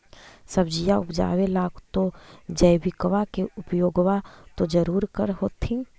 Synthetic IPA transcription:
səbd͡ʒijaʊpd͡ʒa̰ːwelaːɡt̪od͡ʒəjbɪkʋakeʊpjoːɡʋat̪od͡ʒəɾuːɾkəɾɦoːt̪ʰĩ

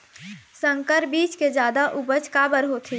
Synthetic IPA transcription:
sə̃ŋkəɾbiːt͡ʃked͡ʒjaːd̪aʔubət͡ʃkabəɾɦot̪ʰi

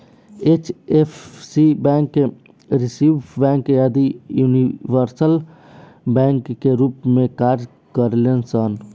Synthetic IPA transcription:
eːt͡ʃefsibɛ̃ːŋkːe | ɾɪsiːʋbɛ̃ːŋkjaːd̪ijuːniʋəɾsəl | bɛ̃ːŋkːeɾuːpmẽkaːɾd͡ʒ | kəɾlensən

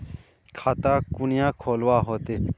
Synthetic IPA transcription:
kʰaːt̪aːkʊnɪjãːkʰoːlwaːɦoːt̪e

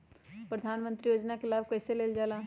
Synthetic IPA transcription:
pɾəd̪ʱaːnmə̃nt̪ɾijoːd͡ʒnakelaːb̚kɛːseleːld͡ʒaːla

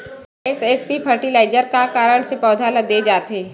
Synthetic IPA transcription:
esespipʰəɾʈilaːɪzəɾkakaːɾəɽ̃sepɔːd̪ʱaːləd̪ed͡ʒaːt̪eː

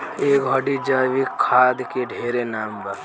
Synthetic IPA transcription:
ekɦəɖid͡ʒəʋikʰːad̪keɖʱeɾenambə

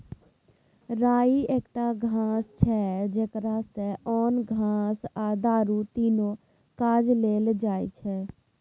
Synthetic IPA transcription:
ɾaːieːkʈaɡʱãːst͡ʃʰɛd͡ʒeːkɾaseɔːnɡʱãːsad̪aːɾut̪iːno | kaːd͡ʒleːld͡ʒaːḭt͡ʃʰɛː

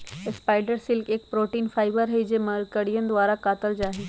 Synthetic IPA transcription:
ɪspaːɪɖəɾsɪlkeːk̚pɾoːʈiːnfaːɪbəɾɦɛid͡ʒeməɾkəɽijə̃nd̪ʋaːɾakaːt̪əld͡ʒaːɦeː

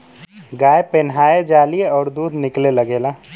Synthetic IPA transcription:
ɡajepenɦaed͡ʒalijeɔːɾd̪ud̪ʱnikleləɡela

